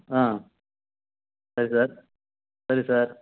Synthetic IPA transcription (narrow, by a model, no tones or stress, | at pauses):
ãː | sɐɾisaːɾ | sɐɾisaːɾ